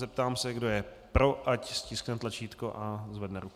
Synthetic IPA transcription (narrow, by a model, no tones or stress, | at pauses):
zɛpt̪aːmsɛɡdo̞jɛ | pɾo̞ʔacscɪsknɛt̪lat͡ʃiːt̪koʔazvɛdnɛɾuk